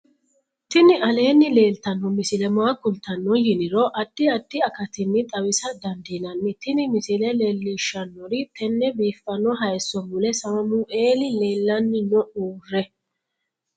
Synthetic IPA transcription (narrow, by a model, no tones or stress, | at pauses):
t̪ɪnɪʔɐle̞ːnːɪle̞ːlt̪ɐnːɔmɪsɪlɛmɔakʊlt̪ɐnːɔjɪnɪɾɔʔɐd̪̥ːɪɐd̪̥ːɪɐkɐt̪ɪnːɪt̪ʼɐwɪsɐd̪ɐnd̪inɐnːɪt̪ːɪnɪmɪsɪlɛlɛlːiːʃːɐnːɔɾɪt̪ʰɛnːɛbiːfːɐnːɔɦɐjsːɔmʊlɛsɐmɐmʊʔe̞ːlɪle̞ːlːɐnːɪnɔʔuːrːɛ